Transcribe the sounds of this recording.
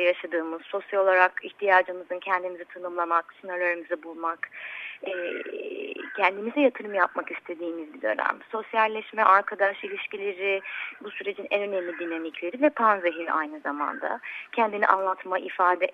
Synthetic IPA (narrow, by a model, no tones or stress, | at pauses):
jaʃad̪ɯːmɯzso̞sjalo̞lˠaɾakiçt̪ʰijaːd͡ʒɯmɯzɯncʰɛnd̪imizit̪ʰanɯmlˠamaksɯnaɾlʲøɾimizɛbulˠmakɛː | cʰɛnd̪imizɛjat̪ʰɯɾɯmjap̚makist̪ʰe̞d̪iːmizbid̪ø̞̰næ̰mso̞sjalʲːɛʃmɛʔaɾkʰad̪aʃilʲiʃcilʲeɾibusyɾe̞d͡ʒinɛ̰nø̞nemlʲid̪inamiclʲe̞ɾivɛpʰanzeɦin̰ʔa̰jnɯzama̰nd̪a̰cʰɛnd̪inḭʔa̰nlˠat̪maʔifaːd̪ɛ